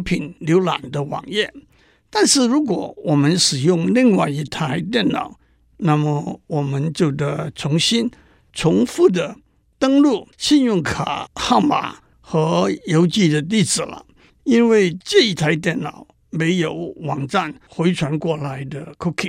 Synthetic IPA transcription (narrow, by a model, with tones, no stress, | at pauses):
pʰi˨˩nljo˧˥ʊla̰˨˩nd̪ə˦wɑ̰˨˩ŋjɛ˥˩ | t̪a˥˧nʂɻ̩˥˩ɻu˧˥k̬wɔ˨˩˦wɔ˨˩mə˦nʂɻ̩˨˩jʊ˥˧ŋli˥˧ŋwa˥˧ɪi˧˥t̪ʰa˧˥ɪt̪̬jɛ˥˩nnɑ̰˨˩˦ʊ | na˥˩mə˨wɔ˨˩mə˦nt͡ɕjo˥˩ʊd̪ə˧t͡sʰʊ˧˥ŋɕi˥n | t͡sʰʊ˧˥ŋfu˥˩d̪ə˩ | t̪ə˥ŋlu˥˩ɕi˥˧njʊ˥˩ŋkʰa̰˨˩xa˥˩ʊma̰˨˩ | xɤ˧˥jo˧˥ʊt͡ɕi˥˩d̪ə˨t̪̬i˥˩t͡sɹ̩˨˩lə̰˩˦ | i˥nwe˥˧ɪʈ͡ʂə˥˩i˧˥t̪ʰa˧˥ɪt̪̬jɛ˥˩nnɑ˨˩ʊ | me˧˥ɪjo˨˩ʊwɑ˨˩ŋʈ͡ʂa˥˩nxwe˧˥ɪʈ͡ʂʰwa˧˥nkwɔ˥˩la˧˥ɪd̪ə˧kʰʊ˥kʰi˥˨˩